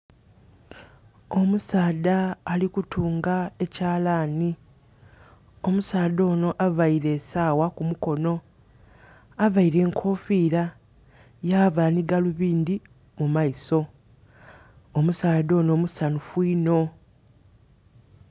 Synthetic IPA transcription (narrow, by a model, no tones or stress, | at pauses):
omusaːdaːlikutʰuːŋɡae̞caːlaːni | omusaːd̪o̞ːno̞ʔaβaiɾe̞ːsaːwakumuko̞no̞ | aβaiɾe̞ːŋkʰo̞fiːɾa | jaːβaniɡaluβiːnd̪i | mumaiso̞ | omusaːdo̞ːno̞ːmusanufwiːno̞